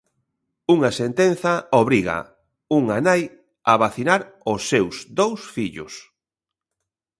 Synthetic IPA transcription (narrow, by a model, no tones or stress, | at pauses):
uŋasent̪en̟θɐoβɾiɣɐ̰ | uŋanaj | aβaθinaɾʊsːewsd̪owsfiʎʊ̰s